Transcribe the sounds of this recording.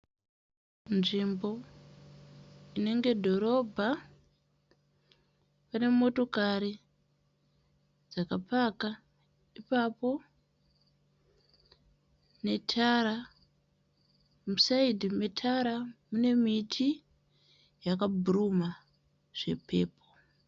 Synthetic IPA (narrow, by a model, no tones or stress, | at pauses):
nʐimbo̞ | ine̞ŋɡe̞dʱo̞ɾo̞bʱa | pane̞mo̞to̞kaɾi | d͡zakapaka | ipapo̞ | ne̞tʰaɾa | musaidʱime̞tʰaɾamune̞mitʰi | jakabʱuruma | ʐ̥e̞̰pʰe̞̰ːpʰo̞̥